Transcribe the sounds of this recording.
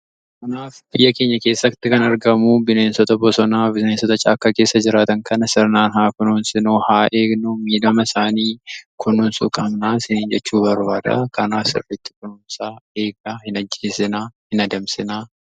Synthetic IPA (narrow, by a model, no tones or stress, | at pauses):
kɐnaːfbɪjːɐke̞ːɲːɐke̞ːsːɐt̪ːɪkɐnɐɾɡɐmubɪneːnsɔt̪ɐbɔsɔnaːbɪseːnsɔt̪ɐt͡ʃʼaːkːake̞ːsːɐd͡ʒɪɾaːt̪ɐŋkɐnɐsɪɾnaːnhaːkʊnuːnsɪnuːhaːʔe̞ːɡnumiːd̪ɐmɐɪsaːniːkʰʊnʊnsʊ̰kʼɐmnaːsɪniːnd͡ʒɛt͡ʃːuːbɐɾbaːd̪ɐ̰kɐnaːfsɪ̰rːɪt̪ːɪ̥kʊnunsaːe̞ːɡɐhɪnɐd͡ʒːeːsɪnaːhɪnɐd̪ɐmsɪnaː